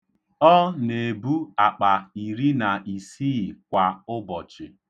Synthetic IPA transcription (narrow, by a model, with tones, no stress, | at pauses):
ɔ˦ne˨bu˦a˨k͡pa˨i˨ɾi˦na˨i˨si˦˨kʷa˨ʊ˦bɔ˨t͡ʃɪ˨